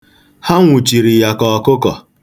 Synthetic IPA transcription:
ha˦ŋʷu˨t͡ʃi˨ɾi˨ja˨kɔ˨ɔ˨kʊ˦kɔ̰˨

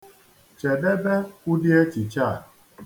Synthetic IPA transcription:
t͡ʃe˨de˦be˦ku˦di˦e˦t͡ʃi˨t͡ʃa˦˨

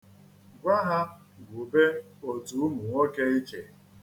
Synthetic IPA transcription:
ɡʷa˦ɦa˦ | ɡʷʊ˨be˦o˨tu˨˦mʊ˨ŋʷo˦ke˦i˦t͡ʃe˨

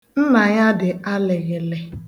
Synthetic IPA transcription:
n̩˦na˨ja˦dɪ˨a˦lɪ˨ɣɪ˨le˨

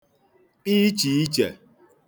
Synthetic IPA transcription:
pi˦t͡ʃi˨i˦t͡ʃe˨

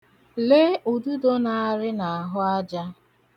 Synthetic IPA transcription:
le˦ʔu˨du˦do˦na˨a˦ɾɪ˦na˨a˨ɦʊ˦a˦d͡ʒa˦

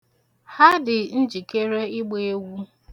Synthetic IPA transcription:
ha˦dɪ˨n̩˦d͡ʒi˨ke˦ɾe˦ɪ˦ɡ͡be˨e˦ɡʷu˦

